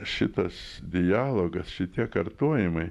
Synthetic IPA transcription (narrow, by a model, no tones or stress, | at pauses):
ʃʲɪt̪ɐsd̪ʲɪjɑːlˠoːɡɐsʃʲɪt̪ʲiɛkɐɾt̪uɔjɪmɐɪ